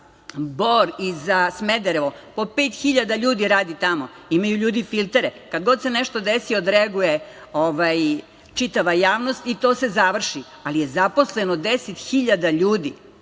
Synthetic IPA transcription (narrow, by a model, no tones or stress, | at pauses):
boɾizasmed̪eɾeʋo | po̞peːt̪xiʎad̪aʎuːd̪iɾaːd̪it̪amo | imajuʎuːd̪ifilt̪eɾekad̪ɡo̞d̪se̞neʃt̪o̞d̪esiod̪ɾeaɡuje̞ | oʋaj | t͡ʃit̪aʋajaːʋno̞st̪it̪o̞ːse̞zaʋr̩ʃi | alije̞zapo̞slenod̪eset̪xiʎad̪aʎuːd̪i